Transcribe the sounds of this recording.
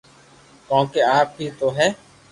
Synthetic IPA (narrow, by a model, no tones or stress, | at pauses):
kɔ̃ːkeːaːp̚ɦiːt̪oːɦɛː